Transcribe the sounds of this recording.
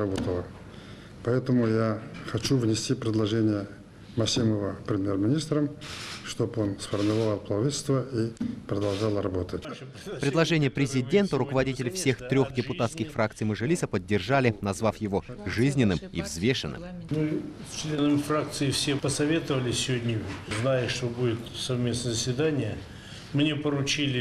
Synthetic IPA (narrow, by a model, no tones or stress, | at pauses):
ɐbot̪əlˠə | pɐɛt̪əmʊjaxɐt͡ɕuvnʲɪsʲtʲipɾʲɪd̪lˠɐʐenʲɪjə | mɐsʲiməvəpɾʲɪmʲjermʲɪnʲist̪ɾəmʂt̪obonsfərmʲɪɾvavalˠplˠɐvitʲɪlʲst̪vəipɾəd̪ɐlˠʐalˠɾɐbo̞t̪ətʲ | pɾʲɪd̪lˠɐʐɛnʲɪjəpɾʲɪzʲɪdʲent̪ʊɾʊkəvɐdʲitʲɪlʲɪfsʲe̞xt̪ɾʲo̞xdʲɪpʊt̪at̪skʲɪxfrak̚t̪sɨjmɨʐɨlʲisəpədʲːɪrʐalʲɪnɐzvafjɪvo̞ʐɨzʲnʲɪnːɨmḭvzvʲe̞ʂɨ̰nːɨ̰mmɨst͡ɕlʲenəmʲfrak̚t̪sɨɪfsʲepəsɐvʲe̞t̪əvəlʲɪsʲɪvod̪ʲnʲɪznajəʂt̪obudʲɪt̪sɐvmʲe̞snəzəsʲvʲɪd̪anʲɪjə | mnʲepəɾʊt͡ɕilʲɪ